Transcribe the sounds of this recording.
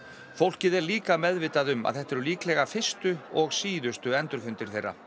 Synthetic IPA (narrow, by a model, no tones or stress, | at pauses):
fowl̥cɪðɛɾliːkamɛðvɪːt̪aðʏma̰ðθɛht̪ːɛɾʏliːklɛɣafɪ̥st̪ʏɔɣsiːðʏst̪ʏɛnt̪ʏɾfʏnt̪ɪɾ̥θejrːa̰